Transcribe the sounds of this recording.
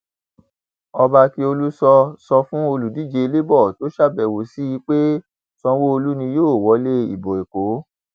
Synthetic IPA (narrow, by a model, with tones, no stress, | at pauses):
ɔ˧ba˧ti˧o˧lu˦sɔ˧sɔ˧fũ˦o˧lu˨di˨˦˨d͡ʒe˧le˦bɔ˦˨to˦ʃa˦˨bɛ˨wo˨si˦i˧k͡pe˦ | sɔ̃˧wo˦o˧lu˦nĩ˧joː˦˨wɔ˨˦le˦ḭ˨bo˨e˨ko˨˦